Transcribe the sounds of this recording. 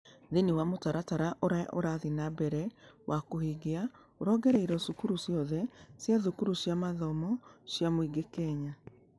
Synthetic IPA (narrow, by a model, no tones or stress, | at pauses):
ðeniwamotaɾataɾaʔoɾaʔoɾaðinabɛɾɛwʔakohiɡea | oɾɔɡɛɾɛiɾɔsukuɾusjɔðɛsjaðukuɾusjamaðɔmɔsjamoiɡekɛɲa